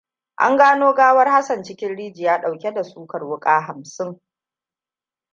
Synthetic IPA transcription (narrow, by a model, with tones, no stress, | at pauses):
ʔa̰˦ŋɡaː˦noː˦ɡaː˦wɐ˦rha˦sɐ˨nt͡ʃɪ˦kʲɪ˦nɽiː˦d͡ʒi˨jaː˦ɗa˨wkʲe˦da˨suː˦kɐ˨rwʊ˦kʼaː˦ɦa˨msɪ˦ŋ